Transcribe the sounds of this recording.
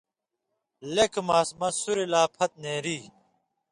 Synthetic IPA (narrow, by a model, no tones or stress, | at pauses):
lekʰmaːsmɐsuɾelaːpʰɐt̪̚neːɾiː